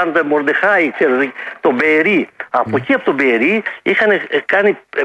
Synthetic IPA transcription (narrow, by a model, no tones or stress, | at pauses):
ɐnot̪ɐmoɾd̪exɐit͡ʃeɾt̪obeːɾiɐpociɐpot̪obeːɾiixɐnekɐni